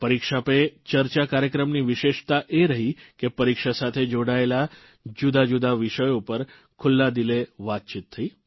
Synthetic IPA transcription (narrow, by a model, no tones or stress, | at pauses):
pəɾikʃapet͡ʃəɾt͡ʃakaɾjəkɾəmniʋɪʃeʃt̪aʔeɾəɦikepəɾikʃasat̪ʰed͡ʒoɽaela | d͡ʒud̪ad͡ʒud̪aʋɪʃəjopəɾ | kʰʊlːad̪ileʋat̪̚t͡ʃit̪ʰːəi